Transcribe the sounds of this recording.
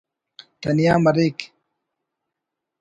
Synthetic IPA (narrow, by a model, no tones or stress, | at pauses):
t̪ɐnijaːmɐɾik